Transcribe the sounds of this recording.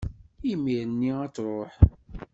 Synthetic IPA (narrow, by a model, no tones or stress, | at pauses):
imiɾənːiæt͡sːɾˤoħ